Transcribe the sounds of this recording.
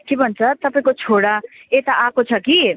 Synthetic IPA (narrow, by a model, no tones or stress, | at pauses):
kebʱʌnt͡sʰʌt̪ʌpãĩkot͡sʰoɽaet̪aʔakot͡sʰʌki